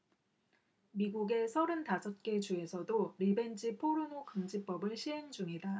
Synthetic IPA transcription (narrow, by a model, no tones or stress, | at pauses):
miɡuɡe̞sʰʌɾɯntasʰʌt̚k͈e̞t͡ɕue̞sʰʌdoɾibe̞nd͡ʑipʰoɾunokɯŋd͡ʑip͈ʌbɯɭɕʰiɦe̞ŋd͡ʑuŋida